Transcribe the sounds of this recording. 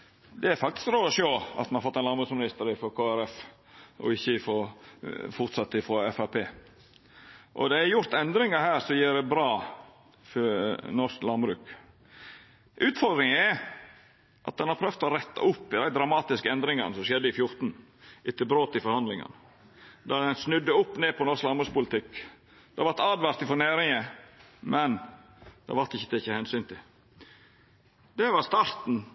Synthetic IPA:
d̪ɛæɾfɑk̚t̪ɪ̥skɾoːd̪əʂoːɑ̰t̪mɑnɑɾfɔt̪ːɛɪnɑnbɾʉːksmɪnɪst̪əɾɪfɔkʰoːæɾɛf | ʔɔ̰ɪçːəfoː | fʊɾt̪sɑt̪ːəɪfɾɔɛfæɾpʰeː | ʔɔ̰d̪ɛæɾjʊɾt̪ɛnd̪ɾɪŋəɾhæːɾsɔjiːɾdɛbɾɑː | fɔnɔʂklɑnbɾʉ̰ːk | ʔʉːt̪fɔɾd̪ɾɪŋəæ | ʔɑ̰t̪̚d̪ɛnhɑɾpʰɾœft̪ɔɾɛt̪ːɑ̰ʔʊpːɪd̪æɪd̪ɾɑmɑːt̪ɪskəɛnd̪ɾɪŋɑnəsɔmʃɛd̪ːəɪfjʊɾt̪n̩ | ʔɪt̪ːɪlbɾoːt̪ɪfɔɾhɑnd̪lɪŋɑ̰n | d̪ɑɾd̪ɛnsnʉd̪ːəʊpːneːpʰɔnɔɾsklɑnbɾʉːkspʊlɪt̪ʰɪk | d̪̥ɛʋɑɾt̪ɑːd̪ʋɑɾt̪ɪfɔɳæːɾɪŋəmɛn | d̪̥ɛ̰ʋɑɾt̪ɪçːə̥t̪ʰɛçːəhɛnsyːnt̪ʰɪ | d̪ɛʋɑɾst̪ɑːɾt̪n̩

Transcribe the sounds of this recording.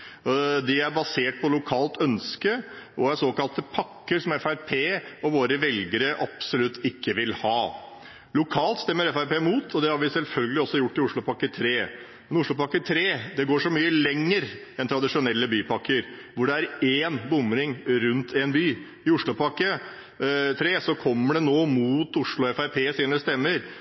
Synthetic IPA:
d̪ɪæɾbɑseːʈ̚pʰɔlʊkʰɑːlt̪ʰœnskəʔɔæsoːkɑlt̪əpʰɑkːəɾsɔmɛfæɾpʰeːɔʋoːɾəʋɛlɡəɾəʔɑpsɔlʉt̪ʰːɪkʰːəʋɪlhɑː | lʊkʰɑːlt̪st̪ɛmːəɾɛfæɾpeːmuːt̪ʰɔd̪ɛhɑɾʋɪsɛlfœlɡəlɪɔsɔjʊʈːɪʊʂɭʊpʰɑkːət̪ʰɾeː | mɛnʊʂɭʊpɑkːət̪ʰɾeːd̪ɛɡoːʂɔmyːəlɛŋːəɾ | ɛnt̪ʰɾɑd̪ɪʂʊnɛlːəbyːpʰɑkːəɾʋʊɖɛæɾeːnbʊmɾɪŋɾʉnt̪ʰɛnbyː | ɪʊʂɭʊpɑkːə | t̪ʰɾeːsɔkʰɔmːəɖɛnoːmuːt̪ʊʂɭʊɛfæɪɾpʰeːsiːnəst̪ɛmːəɾ

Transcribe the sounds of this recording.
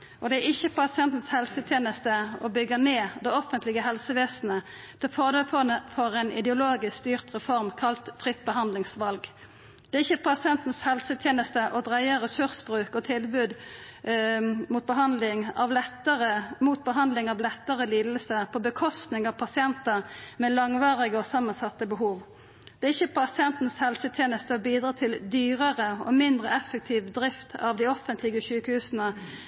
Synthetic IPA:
ʔɔd̪ɛæɾɪçːəpʰɑsɪɛnt̪n̩shɛlsət̪ʰjeːnəst̪əɔbʏɡəneːd̪ɛɔfənt̪lɪɡəɦɛlsəʋeːsn̩ə | t̪ʰɛlfɔʁd̪efɔfɔɾɛɪnʔɪ̰d̪ɛʊloːɡɪsst̪yːʁt̪ʁɛfɔʁmkʰɑlt̪fʁɪt̪̚ːbəɦɑnd̪lɪŋsʋɑlɡ | d̪̥ɛɾɪçːəpʰɑsɪɛnt̪n̩shɛlsət̪ʰjeːnəst̪əʔɔd̪ʁæɪəʁəsʉʁsbʁʉːkɔt̪ʰɪlbʉːd̪ | muːt̪̚bəɦɑnd̪lɪŋɑʋlɛt̪əʁəmuːt̪̚bəɦɑnd̪lɪŋɑʋlɛt̪ːəʁəliːd̪l̩səpʰɔbəkʰɔst̪nɪŋɑʋpʰɑsɪɛnt̪əmɛlɑŋʋɑːʁɪɡəɔsɑmːɑnsɑt̪ːəbəɦuːʋ | d̪̥ɛæʁɪçːəpʰɑsɪɛnt̪n̩shɛlsət̪ʰjeːnəst̪əɔbiːd̪ʁɑːt̪ʰɪld̪yːɾəʁəɔ̰mɪnd̪ʁəɛfːək̚t̪ʰiːʋd̪ɾɪft̪ʰɑ̰ʋd̪ɪɔfənt̪lɪɡəçʉːkəhʉːsənə

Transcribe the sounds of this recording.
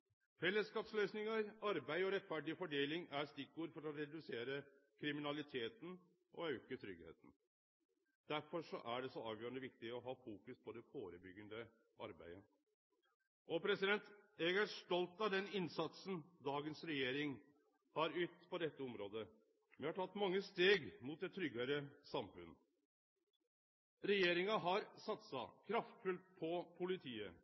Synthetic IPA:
fɛlːəskɑːpslœʏsnɪŋəɾɑɾbæɪɔɾɛt̪ːfæɖɪfɔɖeːlɪŋæɾst̪ɪkːuːɾfɔɾɔɾɛd̪ʉseːɾə | kʰɾɪmɪnɑlɪt̪ʰeːt̪n̩ | ʔɔ̰œʉkət̪ʰɾʏɡhḛːt̪n̩ | d̪̥æɾfɔʂɔ̰ʔæɖɛsɔɑːʋjøːɾənd̪əʋɪk̚t̪ɪɔɦɑːfuːkʉspʰɔd̪ɛfoːɾəbʏɡənd̪ə | ʔɑ̰ɾbæ̰ɪə | ʔɔpʰɾɛsɪd̪ɛnt̪ɛɡæʂʈ̪ɔlt̪ɑʋd̪ɛnɪnsɑt̪sən̩d̪ɑːɡənsɾɛjeːɾɪŋ | hɑɾʉːt̪pʰɔd̪ɛt̪ːəɔmɾoːd̪ə | ʋɛhɑʈʰɑt̪ːmɑŋːəst̪eːɡmuːt̪̚d̪ɛt̪ʰːɾʏɡːəɾəsɑmfʉ̰n | ɾɛjeːɾɪŋɑɦɑɾsɑt̪sɑ̰kʰɾɑft̪fʉlt̪̚pʰɔpʰʊlɪt̪ʰiːə

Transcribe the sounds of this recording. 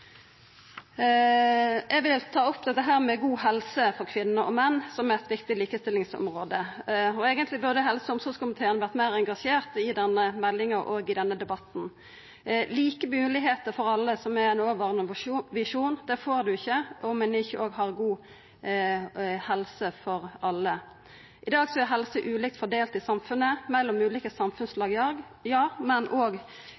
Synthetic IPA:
ɛʋɪlt̪ʰɑːɔpːd̪ɛt̪ːəɦæːʁmɛɡuːhɛlsəfɔʁkʰʋɪnːəʔɔ̰mɛnːsɔmɛɛt̪ʋɪkt̪ɪliːkəst̪ɪlɪŋsɔ̰mʁoːd̪əɔeːɡənt̪lɪbʉʁd̪əɦɛlsəɔmsɔskʰʊmɪt̪ʰeːʁənəʋæʁt̪mæɪʁɛŋɡɑʂeːʁt̪ɪd̪ɛnːəmɛlːɪŋɑʁʔoːɡɪd̪ɛnːəd̪ɛbɑt̪n̩ | liːkəmʉːlɪɦeːt̪əɾfɔɾɑlːəsɔmæɛnoːʋɑːʁənəʋɪʂuːnd̪ɛfoːɾd̪ʉɪçːəʔɔmɛnɪçːəʔoːɡɦɑʁɡuː | hɛlsəfɔɾɑlːə | ʔɪd̪ɑːɡsɔæɦɛlsəʔʉːlɪk̚t̪fɔd̪eːlt̪ɪsɑmfʉnːəmɛlːɔmʉːliːkəsɑmfʉnslɑːɡ | jɑːmɛnʔoːɡ

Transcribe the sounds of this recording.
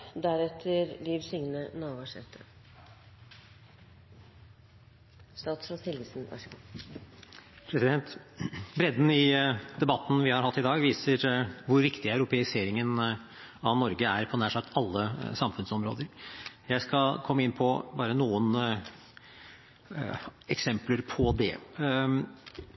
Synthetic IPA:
d̪æɾɛt̪ʰːəɾliːʋsɪŋnənɑːʋɑʂɛ̰t̪ʰːə̰ | st̪ɑːt̪sfɾɔt̪ʰɪlʋɪsnʋɑ̰ʂəɡu | pʰɾɛsɪd̪ɛnt̪bɾɛd̪n̩ɪd̪ɛbɑt̪n̩ʋɪhɑɾhɑt̪ːɪd̪ɑːɡʋiːsəɾʋʊɾʋɪkt̪ɪæʉɾʊpʰɛɪseːɾɪŋən | ɑʋnɔɾɡəæɾpʰɔnæːʂɑkt̪ʰɑlːəsɑmfʉnsɔmɾo̰ːd̪əɾjæɪskɑlkʰɔmːəɪnːpʰɔbɑːɾənuːən | ɛksɛmpləɾpʰɔd̪ɛ̰

